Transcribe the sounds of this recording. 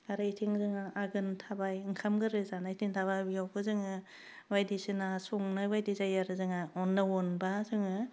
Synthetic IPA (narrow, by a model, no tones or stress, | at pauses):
aɾɯitʰiŋzɯŋaʔaɡɯntʰabajŋkʰamɡɯɾɯzanaitʰiŋtʰaβajbijawkʰɯzɯŋɯ | wajdisinasoŋnawajdizajaɾɯzɯŋaɔnːɯwɔnbazɯŋɯ